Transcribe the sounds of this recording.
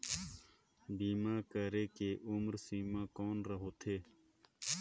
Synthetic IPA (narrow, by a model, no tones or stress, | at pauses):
biːmãːkəɾeːkeːʔumɾsiːmãːkoːnɾəɦoːt̪ʰeː